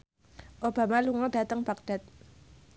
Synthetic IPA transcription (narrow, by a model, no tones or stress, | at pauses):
ʔob̥a̤maluŋɔd̥a̤t̪əŋb̥ak̚d̥at̪̚